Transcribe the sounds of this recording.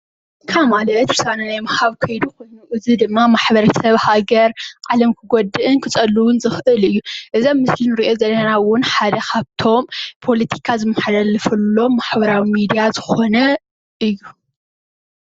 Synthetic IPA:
ɨkʰamalɐt̪ɾɨsananajmahaβkʰɐjd̪ukʰo̞jnuʔɨzid̪ɨmːamaħbɐɾɐsɐβhaɡɐɾʔalɐmkʰɨɡod̪ːɨʔɨnkʰɨt͡sʼɐlːuwʊnzɨxʔɨlɨjːuʔɨzomːɨslinɨɾiʔo̞zɐlːɐnawʊnħad̪ɐkʰaβt̪ʰo̞mpʰo̞lɐt̪ʰi̥kʰazɨmːɐħd̪ɐlːɨfɐlːo̞mːaħbɐɾawimid̪ijazɨxo̞nɐ | ʔɨjːu

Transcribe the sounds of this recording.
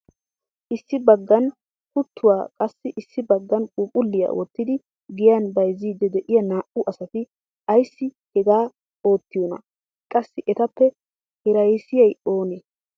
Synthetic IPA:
ʔɪsːɪbɐɡːɐn | kʊt̪ʰːʊwaːkʼɐsːɪʔɪsːɪbɐɡːɐnkʼuːpʼʊlːɪjɐ̰wɔt̪ːɪd̪ɪ | ɡɪjɐnbɐjziːd̪ɛd̪ɛʔɪjɐnaːʔʊʔɐsɐt̪ɪ | ɐjsːɪ | hɛɡaː | o̞ːt̪ːɪjonɐ̰ | kʼɐsːɪʔɛt̪ɐpːɛ | hɛɾɐjsɪjɐjo̞ːneː

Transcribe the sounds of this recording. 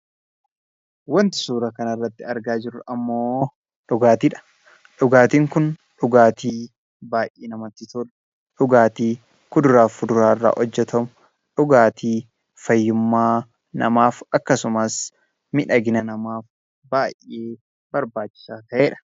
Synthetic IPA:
wɐnt̪ɪ̥suːɾɐkɐnɐrːɐt̪ːɪɐɾɡaːd͡ʒɪɾɐmːoː | ᶑʊɡaːt̪iːᶑɐ̥ | ᶑʊɡaːt̪iːŋkʊnᶑʊɡaːt̪iː | baːjʔeːnɐmɐt̪ːɪt̪ʊr | ᶑʊɡaːt̪iː | kʊd̪ʊɾaːfʊd̪ʊɾaːɪrːa̰ːʔɔd͡ʒːɛt̪ɐmʊ | ᶑʊɡaːt̪iː | fɐjːʊmːaː | nɐ̰maːfɐkːɐsʊmɐs | mɪᶑɐɡɪnɐnɐmaːf | baːjːe̞ː | bɐɾbaːt͡ʃːɪ̥saːt̪ɐʔeːᶑɐ̥

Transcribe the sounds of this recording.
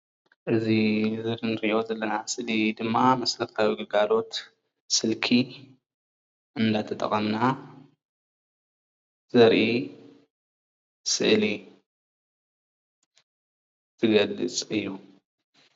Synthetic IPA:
ʔɨzizɨɾnɨɾʔiʔo̞zɐlːɐnasɨʔlid̪ɨmːamɐslɐɾt̪ʰawiɡɐɡalo̞t̪ | sɨlkʰi | ʔɨnd̪at̪ʰɐt̪ʼɐ̰χʼɐmna | z̥ɐɾʔi | sɨ̰ʔli | tɨɡɐlːɨt͡sʼɨjːu

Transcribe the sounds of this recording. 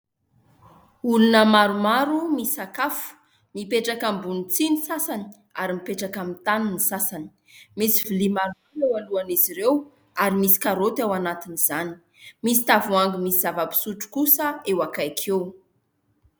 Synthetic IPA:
ulunəmaɾumaɾumisakafu̥ | mipeʈ͡ʂakambunit͡sinisasani | aɾimipeʈ͡ʂakamit̪aninisasani̥ | misivilimaɾuaɾewaluaniziɾew | aɾimisi̥kaɾot̪awanat̪iniz̥ani̥ | misi̥t̪avuaŋɡimisizavəpi̥suʈ͡ʂu̥kusəewakajkʰew

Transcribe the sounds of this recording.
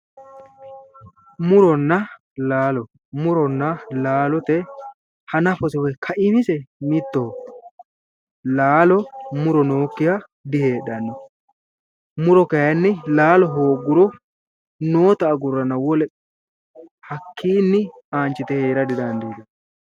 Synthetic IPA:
mʊɾɔnːɐ | laːlɔ | mʊɾɔnːɐlaːlɔt̪ɛ | hɐnɐfɔsɛwɛkʰɐʔɪmɪsɛmɪt̪ːo | laːlɔmʊɾɔno̞ːkːɪja | d̪ɪheːɗɐnːɔ | mʊɾɔkɐjɐnːɪlaːlɔɦoːɡːʊɾɔ | noːt̪ɐːɡʊrːɐnɐwɔlɛ | hɐkʰːiːnːɪ | aːnt͡ʃːɪt̪ɛheːɾɐd̪ɪd̪ɐnd̪iːd̪ɛ

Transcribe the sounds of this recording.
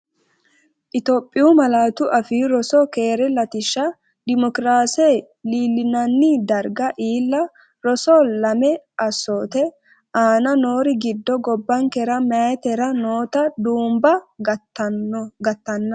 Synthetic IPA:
ʔɪt̪oːpʼːɪjumɐlaːt̪ʊʔɐfiɾɔsɔkeːɾɛlɐt̪ɪʃːɐ | d̪ɪmɔkɾaːseː | liːlːɪnɐnːɪd̪ɐɾɡɐʔiːlːɐ | ɾɔsɔlɐmɛʔɐsːoːt̪ɛ | aːnɐnoːɾɪɡɪd̪ːɔɡɔbːɐŋkɛɾɐmt̪ɛɾɐnoːt̪ɐd̪uːmbɐ | ɡɐt̪ːɐnːɐ

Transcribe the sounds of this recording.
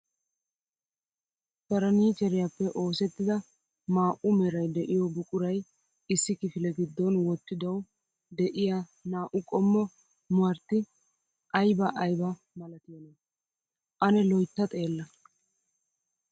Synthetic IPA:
b̥ɐɾɐniːt͡ʃɛɾɪjapːɛʔo̞ːsɛt̪ːɪd̪ɐ | maːʔʊmɛɾɐjd̪ɛʔɪjɔbʊkʼʊɾɐj | ɪsːɪkɪfɪlɛɡɪd̪ːɔnwɔt̪ːɪd̪ɐw | d̪ɛʔɪjanaːʔʊkʼɔmːɔ | mʊɐɾt̪ːɪ | ʔɐjbɐʔɐjbɐ | mɐlɐt̪ɪjɐnɛ | ʔɐnɛlɔjt̪ːɐt̪ʼe̞ːlːɐ

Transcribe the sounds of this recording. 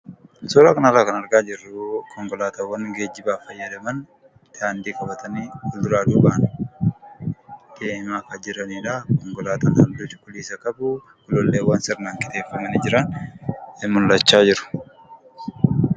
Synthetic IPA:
sɔɾaːkɐnɐraːkɐnɐɾɡaːd͡ʒɪrːʊkʰɔŋkɔlaːt̪ɐwːɐnɡeːd͡ʒːɪbaːfɐjːɐd̪ɐmɐn | t̪aːnd̪iːkʼɐbɐt̪ɐniːɔlʊɾaːd̪uːbaʔn | keːmaːkɐd͡ʒɪɾɐniːᶑaːkɔŋkɔlaːt̪ɐnhɐnd̪uːtɪ̥kʊliːsɐkɐbu | kʊlɔlːeːwːaːnsɪɾnaːŋkʼɪt̪eːfːɐmɐnid͡ʒɪɾɐn | ɪmʊlːɐt͡ʃːaːd͡ʒɪɾʊ̥

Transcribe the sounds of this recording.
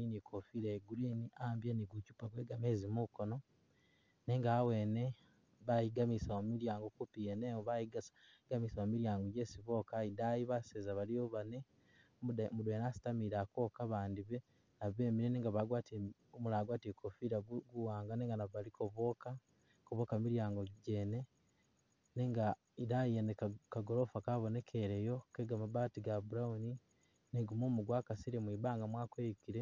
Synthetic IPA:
inikʰofiɾaeɡuɾiniʔaːmbjeniɡucupaɡwe̞ːɡamezimuko̞no̞ | neːŋɡaːwe̞ːne̞ | βajiɡamisaomiɾjaːŋɡokupieneβaiɡsɡamisaomiɾjaːŋɡoɟeːsiβo̞kaidajiβasezaβalioβane̞ | mumudweːnasi̥tamiɾako̞ːkaβaːndiβe | naβe̞ːmiɾeneːŋɡaβaɡwaːtie | omulaːɡwaːtiekʰofiːɾaɡuwaːŋɡaneːŋɡanaβaliko̞βo̞ka | koβo̞kamiɾjaːŋɡoɟe̞ne̞ | neːŋɡa | idajijenekkaɡoɾo̞fakaβo̞ne̞kʰe̞ɾe̞jo̞keɡamabaːtiɡabuɾauni | neɡumumuɡwakasiɾemwiːβaːŋɡamwaːkwejukiɾe

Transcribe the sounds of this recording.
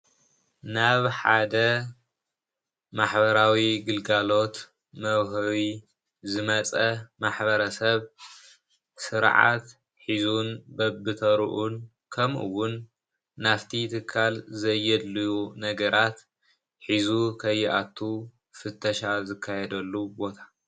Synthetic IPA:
naβħa̰d̪ɐ | maħbɐɾawiɡɨlɡalo̞t̪ | mɐwɦɐwi | zɨmɐt͡sʼɐmaħbɐɾɐsɐβ | sɨɾʕa̰t̪ | ħizunbɐbːɨt̪ʰɐɾʔun | kʰɐmʔṵwʊnː | aft̪ʰit̪ʰɨkʰːalzɐjːɛd̪lujunɐɡɐɾʔat̪ | ħizukʰɐjːʔat̪ʰːu | fɨt̪ʰːɐʃazɨkʰːajɛd̪ɐlːubo̞t̪ʰḁ

